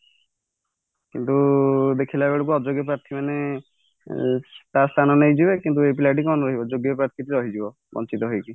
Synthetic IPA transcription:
kint̪ud̪ekʰilaebeɭok̬uɔd͡ʒoɡjɔp̬ɾaɾt̪ʰimane | t̪ast̪ʰanɔnejd͡ʒibekint̪uep̬ilaʈ̬ikɔnɔɾɔɦibɔd͡ʒoɡjɔpɾaɾt̪ʰit̪iɾɔɦid͡ʒibɔ | bɔ̰nt͡ʃit̪ɔɦojki

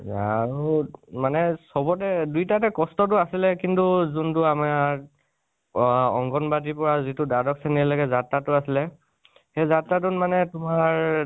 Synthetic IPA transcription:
aɹumanɛsɔbɔtɛdujtatɛkɔstɔt̬ʊasilɛkintuzuntʊama | ɔŋɡɔnbadipɔɹazitʊdadɔksenilaɡɛzatatʊasilɛ | xezatɹat̬unmanɛtʊmaɹ

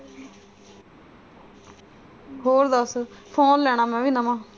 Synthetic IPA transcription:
ɦoːɾd̪əspʰoːnlɛːɽ̃aːmɛ̃ːʋiːnəmãː

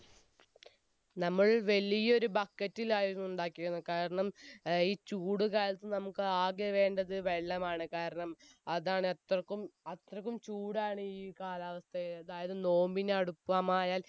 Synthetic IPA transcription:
nɐmːɐɭʋɐlijɐo̞ɾubɐkːɐtːilaːjuunːuɳɖaːkːiɣunːɐkaːɾɐɳɐmiːt͡ɕuːɽɨkaːlɐt̪ːɨnɐmukːɨaːɡeʋe̞ːɳɖɐðɨʋeɭːɐmaːɳɨkaːɾɐɳɐmɐðaːɳɨet̪rɐkːumɐt̪rɐk̬ːumt͡ɕuːɽaːɳɨiːkaːlaːʋɐst̪ʰɐɐðaːjɐðɨno̞ːmbineɐɽupːamaːjaːl

